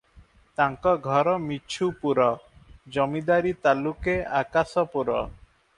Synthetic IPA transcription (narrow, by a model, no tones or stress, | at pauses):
t̪aŋkɔɡʱɔɾɔmit͡ʃʰupuɾɔd͡ʒɔmid̪aɾit̪alukeakasɔpuɾɔ